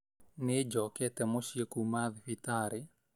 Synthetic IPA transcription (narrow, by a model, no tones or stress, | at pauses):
ned͡ʒɔkɛt̪ɛmɔʃiekumaðfit̪aɾɪ